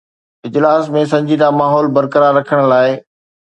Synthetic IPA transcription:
ɪd͡ʑlaːsmẽs̬ɐ̃ɲd͡ʑid̪amaːɦɔːlbɐɾkəɾaɾːɐkʰəɽ̃laːɪ

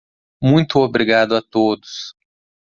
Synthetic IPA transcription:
mũj̃t̪ʊobɾiɡad̪ʊɐt̪od̪ʊs

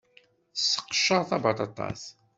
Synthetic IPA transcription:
θsːə̥qːʃːəɾθɑbɑt̪ɑt̪ˤɑ̰s

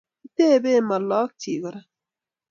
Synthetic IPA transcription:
t̪eːbeːmɐlːɑːk̚tʰiːɡɐɾɐ

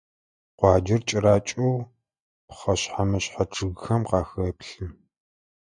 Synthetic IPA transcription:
qʷɑːd͡ʒɪrt͡ʃʼɪɾaːt͡ʃʼʊw | pχɐɕħamɐɕħaʈ͡ʂʰɨɣxɐmqɑːxɐːpɬɨm

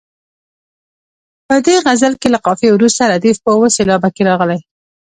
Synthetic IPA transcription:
pəd̪eɣazəlkelaqɑfewɾust̪aɾad̪ifpəwoselɑbakeɾɑɣəlaj

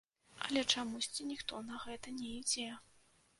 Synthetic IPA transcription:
ɐ̰lʲɛt͡ʂamusʲt͡sʲinʲixt̪ɔnɐɣɛt̪ɐnʲɛid͡zʲɛ

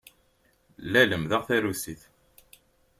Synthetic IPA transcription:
læləmðəʁθæɾusiθ

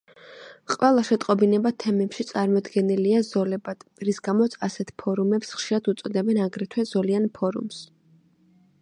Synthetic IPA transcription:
qʼwɛlˠaʃɛt̪ʼqʼɔbinɛbat̪ʰɛmɛpʃit̪sʼaɾmɔd̪ɡɛniliazɔlɛbad̪̥ɾisɡamɔt̪sʰasɛt̪ʰpʰɔɾumɛpsχʃiɾad̪ut̪sʼɔd̪ɛbɛnaɡɾɛt̪ʰwɛzɔlianpʰɔɾṵms

